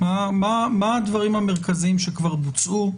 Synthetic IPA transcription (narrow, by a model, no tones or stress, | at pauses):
mamamaːd̪vaʁimameʁkaziimʃekvaʁbut͡sʔu